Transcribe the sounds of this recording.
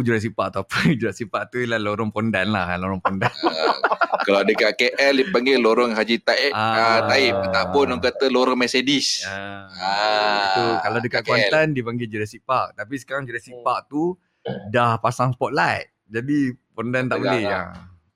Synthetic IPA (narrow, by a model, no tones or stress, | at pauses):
d͡ʒuɾas̬ipaʔt̪uapəd͡ʒuɾaʔsipaʔt̪uilahloɾɔŋpondanlahloɾɔŋpɔndan | kalawdəkaʔkeʔɛldipaŋɡeloɾɔŋɦad͡ʒit̪aʔaat̪aip̚t̪aʔpɔnɔŋkat̪əloɾɔŋmɛsedisaaukalawdəkaʔkwanandipaŋɡed͡ʒuɾasipaʔt̪ap̬is̬ə̥kaɾaŋd͡ʒuɾasipaʔt̪u | dahpasaŋspɔt̪̚lajt̪̚d͡ʒadipondant̪aʔbolɛa̰